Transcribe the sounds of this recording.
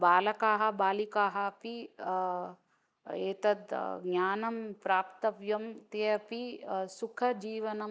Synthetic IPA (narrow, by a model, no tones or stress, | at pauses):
baːlɐkaːɦɐ̆baːlikaːɦɐɐpi | eːt̪ɐd̪ɡɲʲaːnɐmpɾaːpt̪ɐʋjɐmt̪eɐpisukʰɐd͡ʒiːʋɐnɐ